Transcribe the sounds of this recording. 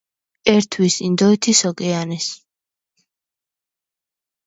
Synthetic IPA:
ɛɾt̪ʰwisind̪ɔit̪ʰisɔkʼɛanɛs

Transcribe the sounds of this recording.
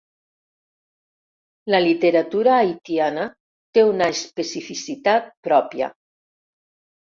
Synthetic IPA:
ləlit̪eɾat̪uɾaːjt̪iana | t̪eunaespesifisit̪at̪̚pɾɔpja̰

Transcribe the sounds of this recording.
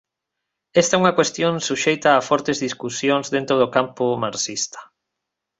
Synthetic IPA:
est̪auŋɐkwest̪jõnsuʃejt̪aːfɔɾt̪ezðiskusjonzðent̪ɾoðokampʊmaɾsist̪ɐ̥

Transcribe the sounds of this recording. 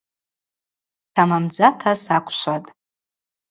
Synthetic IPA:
tʰamamd͡zatʰasakʷʰʃʷatʼ

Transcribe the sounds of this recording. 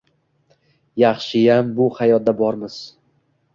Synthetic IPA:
jɑχʃɪjambʊhajɒt̪̚d̪abɒɾmɪz̥

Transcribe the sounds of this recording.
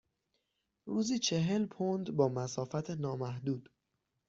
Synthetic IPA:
ɾuːziːt͡ʃʰe̞ɦe̞lpʰond̪bɒːmæsɒːfæt̪ʰenɒːmæhd̪uːd̪̥

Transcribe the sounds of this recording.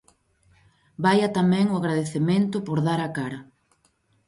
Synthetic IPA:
bajɐt̪amɛ̃ŋʊaɣɾaðeθemẽnt̪ʊpoɾðaɾakaɾɐ

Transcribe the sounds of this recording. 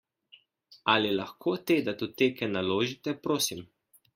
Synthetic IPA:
alilaxkʰoːt̪eːd̪at̪ut̪eːkɛnaloːʒit̪ɛpɾoːsim

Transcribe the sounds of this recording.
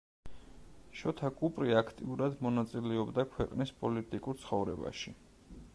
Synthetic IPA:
ʃɔt̪ʰakʼupʼɾiakʰt̪ʼiuɾad̪mɔnat̪sʼilɛɔbd̪akʰwɛqʼnispʼɔlit̪ʼikʼuɾt̪sʰχɔvɾɛba̰ʃi

